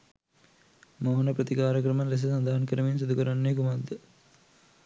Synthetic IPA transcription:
moːɦɐnɐpɾɐt̪ikaːɾɐkɾɐmɐnɾes̬ɐsɐnd̪aːɐnkɐɾɐminsud̪ʱukɐɾanːekumad̪ɐ

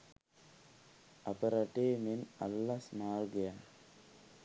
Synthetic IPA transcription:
ɐpɐɾɐʈːemenɐlːɐsmaːlɡɐja

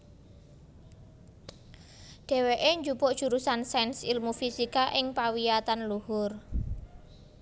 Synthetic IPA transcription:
ɖ̥e̤weʔeɲd͡ʒupʊʔd̥ʒ̥uɾusansɛnsilmufisikaʔɪŋpawijat̪anluhʊr

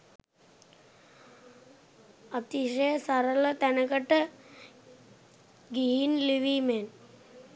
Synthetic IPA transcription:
ət̪iʂəjəsaɾələt̪ænəkəʈə | ɡiɦinliʋimen

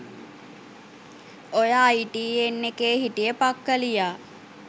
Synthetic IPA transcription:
ojaːiʈiːenːekeːɦiʈijəpakːəlijaː

